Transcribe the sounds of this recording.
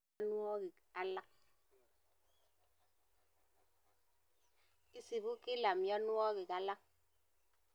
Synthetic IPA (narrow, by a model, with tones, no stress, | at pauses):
nwɔ˦i˨ | a˦la˦k̚ | i˦si˨bu˦ki˦la˨mjɔ˦nwɔ˦ki˨ka˦la˦k̚